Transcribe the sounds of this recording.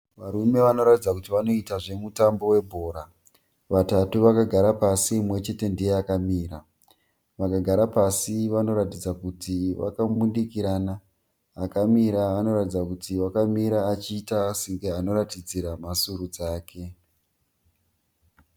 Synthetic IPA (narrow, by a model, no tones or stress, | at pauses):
ʋaɾume̞ʋano̞ɾatid͡zakutiʋano̞itaʐe̞mutambo̞we̞bʱo̞ːɾa | ʋatatuʋakaɡʱaɾapasimwe̞t͡ʃe̞te̞ndije̞akamiːɾa | ʋakaɡʱaɾapasiʋano̞ɾatid͡zakutiʋa̰kabundikiɾanaː | kamiɾaano̞ɾatid͡zakutiwakamiɾaːt͡ʃiːtasiŋɡeano̞ɾatid͡ziɾamasuɾud͡zaːkʰe̞